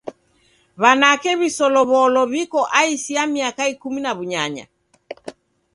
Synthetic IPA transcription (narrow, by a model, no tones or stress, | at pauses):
βanakɛβisɔlɔβɔlɔβikɔʔaisiamiakaikuminaβuɲaɲa̰